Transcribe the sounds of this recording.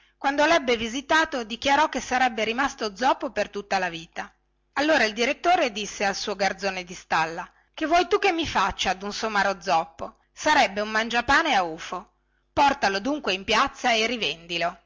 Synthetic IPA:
kwand̪olɛbːevizit̪aːt̪od̪ikjaɾɔkːesːaɾɛbːeɾimast̪od̪zɔpːopert̪ut̪ːalaviːt̪a | alːoːɾaild̪iɾet̪ːoːɾed̪isːealsuːoɡard̪zoːned̪ist̪alːa | kevːwɔjt̪ukːemːifat͡ʃːad̪unsomaɾod̪zɔpːo | saɾɛbːeumːand͡ʒapaːneauːfo | pɔrt̪alod̪uŋkweimpjat̪sːaerivend̪ilo

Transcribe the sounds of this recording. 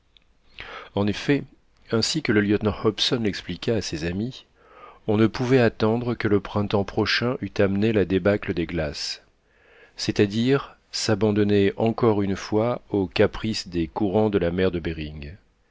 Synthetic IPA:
ɑ̃nefɛ | ɛ̃sikələljɔt̪nɑ̃hɔpsɔnlɛksplikʲaːsezami | ɔ̃nəpuvɛat̪ɑ̃d̪ʁəkələpχɛ̃t̪ɑ̃pχɔʃɛ̃ʔyt̪amnelad̪ebakləd̪eɡlas | ɛt̪ad̪iʁ | sabɑ̃d̪ɔnɛɑ̃kɔʁynfwaokapχisd̪ekuʁɑ̃d̪əlamɛʁd̪əbeʁiŋ

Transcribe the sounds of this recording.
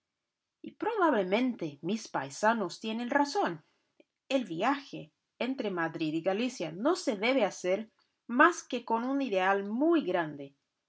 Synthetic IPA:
ipɾoβaβlemẽnt̪emispa̰jsanost̪jenenrason | elβiaxeː | nt̪ɾemaðɾiðiɣalisjanoseðeβeaseɾ | maskekonuniðealmujɣɾand̪e

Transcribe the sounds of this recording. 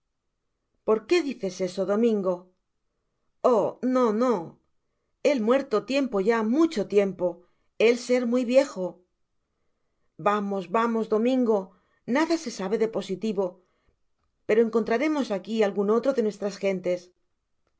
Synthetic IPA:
po̞ɾke̞ðiθe̞se̞so̞ðo̞mĩŋɡo̞ | ono̞no̞ | e̞lmwe̞ɾt̪ot̪je̞mpo̞ʝamut͡ʃo̞t̪je̞mpo̞ | e̞lse̞ɾmwujβje̞xo | bamo̞zβamo̞zðo̞mĩŋɡo̞ | naðase̞saβ̞e̞ðe̞po̞sit̪iβo̞ | pe̞ɾo̞e̞ŋko̞nt̪ɾaɾe̞mo̞sakialɣuno̞t̪ɾo̞ðe̞nwe̞st̪ɾasxe̞nt̪e̞s

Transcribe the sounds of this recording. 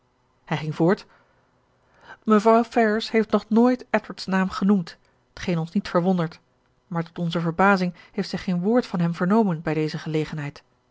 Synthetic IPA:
hɛjχɪŋvʊːɹt | məvrɑwfɛɹəshejftnɔχnoːjtɛtəɹtsnaːmχənumt | ətχejnɔnsnitfəɹʋɔndəɹt | maːɹtɔtɔnzəvəɹbaːzɪŋ | hejftsɛjχejnʋʊːɹtfɑnɦɛmvəɹnowmənbɛjdejzəχəlejχənɦɛjt

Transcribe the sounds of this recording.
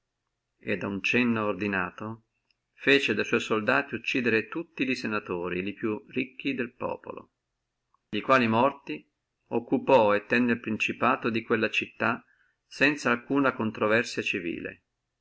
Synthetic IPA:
ed̪aunt͡ʃɛnːoːrd̪inaːt̪o | feːt͡ʃed̪ajswɔjsold̪aːt̪iut͡ʃːiːd̪eɾet̪ut̪ːiʎisenat̪oːɾilipjurikːid̪elpɔ̰ːpo̰lo̰ | ʎikwaːlimɔrt̪i | okːupɔet̪ːɛnːelpɾint͡ʃipaːt̪od̪ikwelːat͡ʃit̪ːa | sɛnt̪saːlkuːnakont̪ɾovɛrsjat͡ʃivḭːlḛ

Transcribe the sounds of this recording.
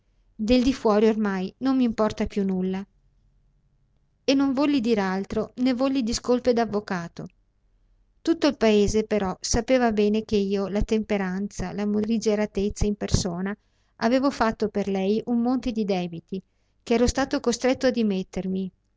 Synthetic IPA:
d̪eld̪ifwɔːɾiormajnomːiːmpɔrt̪apjunːulːa | enːoɱvɔlːid̪iːɾealt̪ɾonevːɔlːid̪iskolped̪avːokaːt̪o | t̪ut̪ːoilpaeːzepeɾɔsapeːvabɛːnek̟eiːolat̪empeɾant̪salamulid͡ʒeɾat̪et̪sːaimpersoːna | ʔaveːvofat̪ːoperlɛjumːont̪ed̪id̪ɛːbit̪i | keɛːɾost̪aːt̪okost̪ɾet̪ːoad̪imet̪ːermi

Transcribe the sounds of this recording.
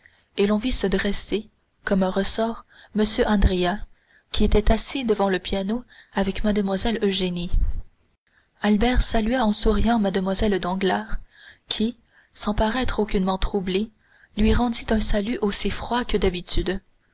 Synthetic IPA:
elɔ̃visəd̪ʁese | kɔmɛ̃ʁəsɔːʁməsjøʔɑ̃d̪ʁea | kʲiet̪ɛt̪asid̪əvɑ̃ləpjanoavɛkmad̪əmwazɛløʒeni | albɛʁsalyaɑ̃suʁijɑ̃mad̪əmwazɛld̪ɑ̃ɡlaːʁkʲʰi | sɑ̃paʁɛt̪χokʲynmɑ̃t̪χuble | lɥiʁɑ̃d̪it̪ɛ̃salyʔosifχwakəd̪abit̪yd̪

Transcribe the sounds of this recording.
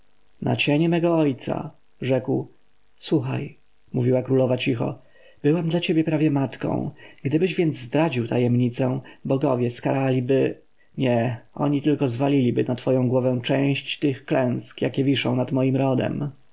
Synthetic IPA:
nʔa̰t͡ɕeɲɛmɛɡɔɔjt̪sa̰ | ʐɛkw | swuxa̰j | muvʲiwakɾulɔvat͡ɕixɔ̰ | b̥ɘwamd̪lat͡ɕebʲjɛpɾavʲjɛmat̪kɔ̰̃w̃ɡd̪ɘbɘʑvʲjɛnd̪zzd̪ɾad͡ʑiwt̪ʰajɛmɲit̪sɛ̃bɔɡɔvʲjɛskaɾalʲibɘ | ɲɛɔ̰ɲit̪ɘlkɔzvalʲilʲibɘnat̪fɔjɔ̃w̃ɡwɔvɛ̃w̃t͡ʂɛ̃j̃ɕt͡ɕt̪ɘxklɛ̃w̃skjakʲɛvʲiʂɔ̰̃w̃nat̪mɔjimɾɔd̪ɛ̰m

